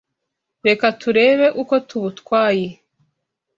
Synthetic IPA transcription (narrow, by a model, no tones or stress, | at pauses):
ɾe̞katuɾe̞ːβe̞ʔuko̞tuβutkwaːje